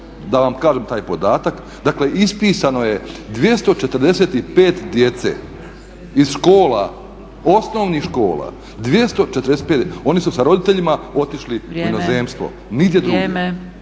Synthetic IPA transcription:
d̪aʋamkaːʒemt̪aːjpo̞d̪aːt̪ak | d̪akle̞ʔispiːsano̞je̞d̪ʋje̞st̪o̞t͡ʃet̪ər̩d̪eset̪ipeːt̪d̪je̞t̪sḛ | izʃko̞ːla̰ | osno̞ʋnixʃko̞ːla̰ | d̪ʋje̞st̪o̞t͡ʃet̪ɾd̪esepeːt̪o̞nisusaɾo̞d̪it̪eʎimao̞t̪iʃliminozeːmst̪ʋo̞̰ | niɡd̪jed̪ɾuɡ

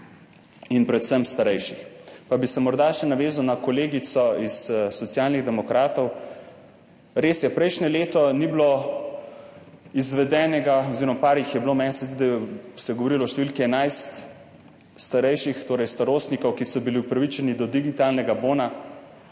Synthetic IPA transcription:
inpɾɛt̪səmst̪aɾɛjʃixpabisɛmɔɾd̪aʃɛnaʋeːzawnakɔleːɡit̪sɔissɔt̪sijalniɣd̪ɛmɔkɾaːt̪ɔw | ɾeːsjɛpɾɛjʃnɛleːt̪ɔniblo | izʋɛd̪ɛːnɛɡaoziɾɔmapaːɾixjɛblomɛnsɛzd̪id̪ɛsɛɡoʋoɾilɔʃt̪eʋilkiɛnajst̪ | st̪aɾɛjʃixt̪oːɾɛjst̪aɾoːst̪nikɔwkisɔbiliupɾaʋit͡ʃɛnid̪ɔd̪iɡit̪alnɛɡaboːna

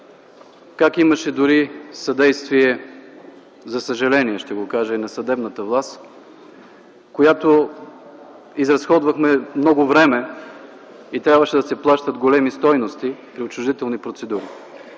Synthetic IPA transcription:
kakimɐʃɛd̪ʊɾisɐd̪ɛjst̪viɛ | zɐsəʒɐlɛniɛʃt̪ɛɡokaʒəinɐsɐd̪ɛbnət̪əvlˠast̪ | kojat̪o | izɾɐsxɔd̪vɐxmɛmnɔɡʊvɾɛmɛ | it̪ɾʲabvəʃɛd̪ɐsɛplˠaʃt̪əd̪ɡolɛmist̪ɔjnost̪ipɾiot͡ʃʊʒd̪it̪ɛlˠnipɾot̪sɛd̪uɾi

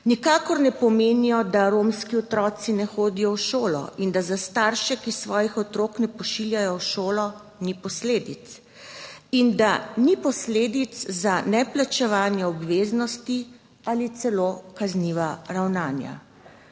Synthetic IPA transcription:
nikaːkɔɾnɛpɔmeːnijɔd̪aɾomskiɔt̪ɾɔːt̪sinɛxoːd̪ijɔwʃoːlɔ̰ind̪azast̪aːɾʃɛkisʋɔːjixɔt̪ɾoːknɛpɔʃiljajɔwʃoːlɔ | nipɔsleːd̪it̪s | ind̪anipɔsleːd̪it̪szanɛplat͡ʃɛʋaːnjɛɔbʋeːznɔst̪i | alit̪sɛlokazniʋaɾawnaːnja̰

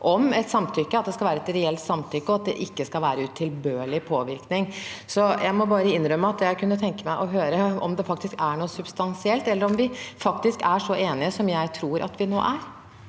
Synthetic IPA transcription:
ʔɔmɛt̪sɑmt̪ʰʏkːəɑt̪d̪ɛskɑʋæːɾəɛt̪ɾɛɛlt̪sɑmt̪ʰʏkːəɔɑt̪̚d̪ɛ̰ʔɪkːəskɑlʋæːɾəʉt̪ʰːɪlbøːɭɪpʰoːʋɪɾknɪŋsɔjʔæɪmɔbɑːɾəɪnːɾœmːəɑt̪jæɪkʰʉnːət̪ʰɛŋkəmæɪʔɔɦøːɾəɔ̰md̪ɛfɑk̚t̪ɪskæɳuːsʉb̥st̪ɑnsɪɛlt̪ɛlːəɾɔmʋɪfɑkt̪ɪskæʂɔʔeːnɪəsɔmjæɪt̪ʰɾuːɾʔɑ̰t̪ʰʋɪno̰ːʔæɾ

